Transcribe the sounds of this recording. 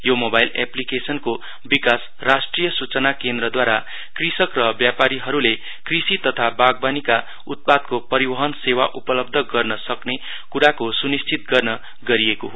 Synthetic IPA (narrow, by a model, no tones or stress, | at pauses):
jomobajlḛplikesʌnko | bikas | rasʈrijʌsut͡sʌnakend̪rʌd̪waɾa | krisʌkrʌbjapaɾiɦʌɾule | krisit̪ʌt̪ʰabaɡ̚banika | ut̪̚pad̪̚kopʌɾibʌɦʌnsewaʔupʌlʌb̚d̪ʱʌɡʌrnʌsʌkne | kuɾakosunist͡sʰit̪ɡʌrnʌ | ɡʌɾiekoɦo